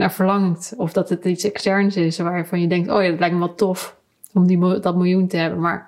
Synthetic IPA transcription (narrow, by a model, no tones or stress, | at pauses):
naːɹvəɹlɑŋtɔfdɑtətitsɛkstɛɹnsɪsʋaːɹjəfɑnjədɛŋk̚to̰ːjadɑtlɛjk̚məʋɑlˠtɔf | ɔmdidɑtmɪlˠjuntəɦɛbənma̰ːɹ